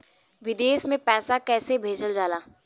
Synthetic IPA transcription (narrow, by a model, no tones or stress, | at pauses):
ʋɪd̪eːʃmẽpɛːsakɛːsebʱeːd͡ʒəld͡ʒaːlaː